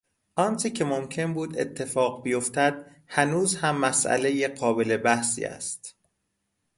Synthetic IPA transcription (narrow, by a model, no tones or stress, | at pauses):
ʔɒnt͡ʃʰecʰe̞momcʰe̞nbuːd̪ḛt̪ʰːe̞fɒːɢbijo̞ft̪æd̪̥̚ | hænuːzhæmːæsʔæ̰le̞jeɢɒːbe̞le̞bæhsḭːæ̰st̪